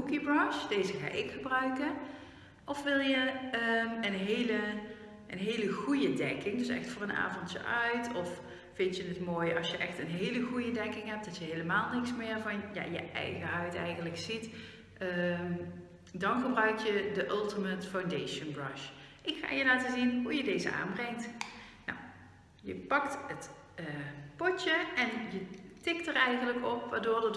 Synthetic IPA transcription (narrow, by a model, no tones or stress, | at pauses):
ukibrɑʃd̥ejzəɣa̰ːʔɪkxəbrœɥkən | ʔɔfʋɪlˠjəəənɦejlə | ʔənɦejləɣujədɛkɪŋdɵsɛ̰xtfʊːrənʔa̰ːvɔntjə̰ʔœɥtɔf | fɪntjənətmoːjʔɑsjəʔɛxtənɦejləɣujədɛkɪŋɦɛp̚d̥ɑtjəɦejləmaːlˠnɪksmɪːɹvɑnja̰jəʔɛ̰jɣəɦœɥtɛ̰jɣənləksit | dɑnvərbrœɥk̚jədəʔɵlˠtəmətfawndejʃənbrɑʃ | ʔɪkxa̰ːjəlaːtəzinɦujədejzə̰ʔa̰ːnbrɛŋt | na̰w | jəpɑktət | əpɔtəʔɛnjətɪktərɛjɣənləkɔpʋaːdoːɹdɑ